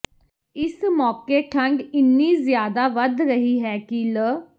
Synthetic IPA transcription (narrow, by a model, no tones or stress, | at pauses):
ɪsmɔːkeːʈʰəŋɡɪnːiːzjaːd̪aːʋəd̪ɾəɦiːɦɛːkilə